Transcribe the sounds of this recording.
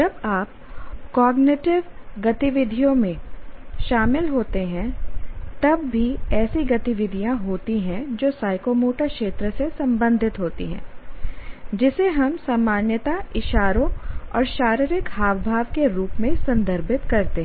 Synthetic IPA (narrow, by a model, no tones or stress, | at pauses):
d͡ʒɐbaːp̚ | kɔːɡnɪʈɪʋɡɐt̪iʋɪd̪ʱijõmẽʃaːmɪlɦoːt̪eɦɛ̃t̪ɐbːʱiɛːsiɡɐt̪iʋɪd̪ʱijãɦoːt̪iɦɛ̃d͡ʒoːsaːɪkoːmoːʈakʃeːt̪ɾəsesɐ̃mbə̃nd̪ʱɪt̪ɦoːt̪ḭɦɛ̰̃ː | d͡ʒɪseɦɐmsaːmaːnjət̪aɪʃaːɾõɔ̰ːɾʃaːɾɪɾɪkhaːbbʱaːʋkeɾuːpmẽsɐ̃nd̪ʱəɾbʱɪt̪kɐɾt̪eɦ